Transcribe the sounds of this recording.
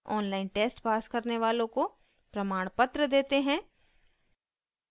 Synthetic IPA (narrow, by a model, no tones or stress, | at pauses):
ɔːnlaːɪnʈeːsʈpaːskɐɾneʋaːlõko | pɾɐmaːɽ̃pət̪ɾəd̪eːt̪eɦɛ̃ː